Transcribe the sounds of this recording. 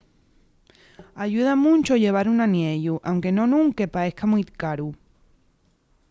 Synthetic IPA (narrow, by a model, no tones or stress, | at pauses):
aʝuð̞amũnt͡ʃoʎe̞β̞aɾunanje̞ʎuʔawŋke̞nõ̞nũŋke̞pae̞hkamujkaɾu